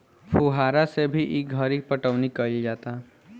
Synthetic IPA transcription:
pʰuːɦaːɾasebʱiʔiɡʱəɾik̚pəʈəʋnikəid͡ʒaːt̪a

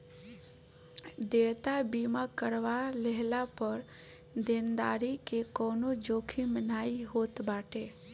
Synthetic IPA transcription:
d̪et̪abimakəɾʋaleɦlapəɾ | d̪end̪aːɾikekɔːnod͡ʒokʰimənaːiɦot̪baːʈe

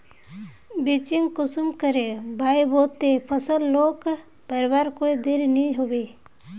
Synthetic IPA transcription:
bit͡ʃɪŋɡkʊsumkəɾebʱaːiboːt̪epʰəsəlːoːk | pəɾɪbaːɾkoːid̪eɾnĩɦobeː

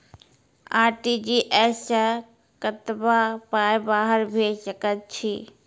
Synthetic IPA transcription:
a̰ːɾʈid͡ʒiʔɛːsa | kət̪bapaːjbaːɦəɾbʱesəkət̪̚t͡ʃʰi

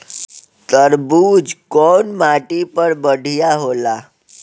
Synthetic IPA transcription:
t̪əɾbuːd͡zkɔnmaʈipəɾbəɽʱijaɦola

